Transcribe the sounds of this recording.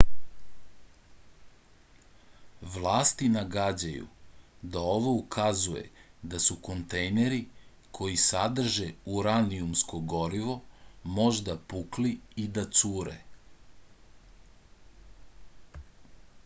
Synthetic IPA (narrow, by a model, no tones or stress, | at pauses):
ʋlˠaːst̪inaɡad͡ʑajṵd̪ao̞ʋo̞ukʰazuje̞̰d̪asuko̞nt̪ejneɾi | kʰo̞jisad̪r̩ʒeuɾaniumsko̞ɡo̞ɾiʋo̞mo̞ʒd̪apukliid̪at̪suːɾḛ